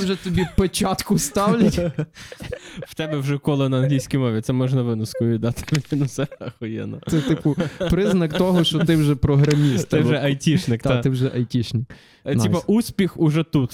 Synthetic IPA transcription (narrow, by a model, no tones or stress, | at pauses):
wʒɛt̪ɔbʲipet͡ʃɑt̪kʊst̪ɑwlʲɐtʲ | w̥t̪ɛbɛwʒɛkɔlˠɪnɐɐnɦlʲijsʲkʲijmɔʋʲit̪sɛmɔʒnɐʋɪnʊskɔjʊʋʲid̪ɑt̪ɪ̥fʲinʊsɛɐxɔjɛ̰nɔ̰tsɛt̪ɪpʊpɾɪznɐkt̪ɔɦɔt͡ʃt͡ʃɔt̪ɪwʒɛpɾɔɦɾɐmʲist̪t̪ɪwʒɛʔɐjtʲiʃnɪkt̪t̪ɪwʒɛʔɐjtʲiʃnɪk | tnipɐʔusʲpʲixʊʒɛt̪ut̪